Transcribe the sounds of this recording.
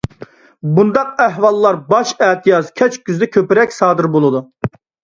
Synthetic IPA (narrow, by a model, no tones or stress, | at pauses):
bund̪ɑq̚æɦwɑlˠːɑɾbɑʃɛːt̪ʰijɑzkʲʰɛt͡ʃkʲyzd̪ɛkʲʰøpɪɾɛkʲsɑːd̪ɨɾbolˠɨd̪u